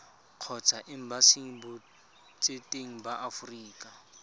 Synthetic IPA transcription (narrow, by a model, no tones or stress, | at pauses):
q͡χʰɔt͡sʰaʔɪm̩basiŋ̩bʊ | t͡sʼetʼeŋ̩baʔafuriːkʼa